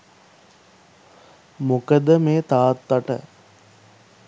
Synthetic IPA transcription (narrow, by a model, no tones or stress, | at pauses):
mukəd̪əmeːt̪aːt̪ːaʈə̰